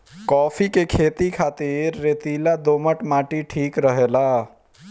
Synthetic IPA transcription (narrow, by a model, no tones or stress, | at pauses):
kɔːpʰikekʰeːt̪ikʰaːt̪iɾːeːt̪iːlad̪oːməʈmaːʈiʈʰiːkɾəɦeːlaː